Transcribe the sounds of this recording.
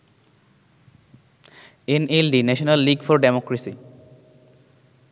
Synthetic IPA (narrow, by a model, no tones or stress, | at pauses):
enelɖinɛʃonalːiɡfɔɾɖemɔkɾesi